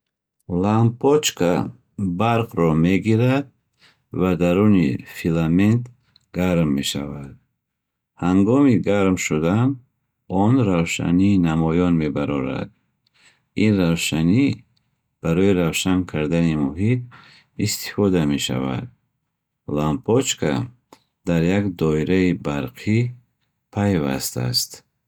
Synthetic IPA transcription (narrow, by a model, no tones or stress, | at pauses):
lampʰɔt͡ʃkʰa | baɾqɾɔme̞ɡiɾad̪̚ | vad̪aɾunifilament̪ | ɡaɾmːe̞ʃavad̪̥̚ | haŋɡɔmiɡaɾmʃud̪an | ɔnɾavʃa̰niːnamɔjɔnme̞baɾɔɾa̰d̪̚ | inrawʃani | b̥aɾɔiɾavʃankʰaɾd̪animuɦit̪̚ | ist̪i̥fɔd̪ame̞ʃa̰va̰d̪̚ | lampʰɔt͡ʃkʰa̰ | d̪̥aɾjakd̪ɔiɾaibaɾqʰi | pʰajva̰st̪a̰st̪